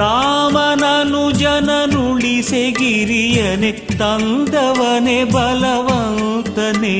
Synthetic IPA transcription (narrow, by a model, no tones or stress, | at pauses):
ɾaːmɐnanud͡ʒɐnɐnuɭiseɡiɾijɐne | t̪ɐnd̪ɐʋɐnebɐlɐʋɐnt̪ɐne